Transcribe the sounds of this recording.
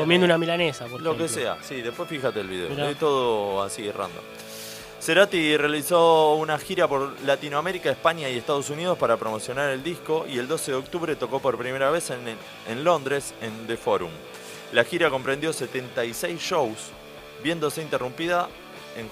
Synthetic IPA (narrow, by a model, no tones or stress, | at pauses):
komjend̪unamilanesapoɾlokesea̰siðepwesfixat̪eːlβiðeoet̪oðoasierʔa̰nd̪o̞̰ | se̞ɾat̪irealiso̞unaxiɾapo̞ɾlat̪inoame̞ɾikaespaɲjaie̞st̪að̞o̞sunið̞o̞spaɾapɾo̞mo̞sjo̞naɾe̞ld̪isko̞ʔḭe̞ld̪o̞seðeo̞k̚t̪uβɾe̞t̪o̞ko̞po̞ɾpɾime̞ɾaβe̞sen | enlo̞nd̪ɾe̞send̪efo̞ɾṵm | laxiɾako̞mpɾe̞nd̪jo̞se̞t̪e̞nt̪ajsejsʃows | βje̞nd̪o̞se̞int̪e̞rumpiða | eŋ